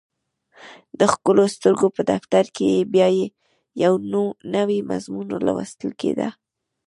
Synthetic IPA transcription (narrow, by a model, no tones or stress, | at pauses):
d̪əxkəlost̪əɾɡopəd̪aft̪aɾkejebjɑje | jawnonawima̰zmunlɑ̰wə̰st̪əlkḛd̪a̰